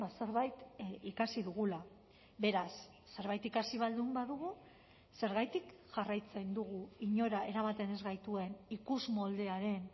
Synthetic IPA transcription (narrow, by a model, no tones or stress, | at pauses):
base̞ɾβajt̪ikasiðuɣula | βe̞ɾasː | e̞ɾβajt̪ikasiβ̞ald̪umbaðuɣu | se̞ɾɣajt̪ikʝarajt͡se̞nd̪uɣuiɲo̞ɾae̞ɾamat̪e̞ne̞zɣajt̪ue̞nikuzmo̞ld̪e̞aɾe̞n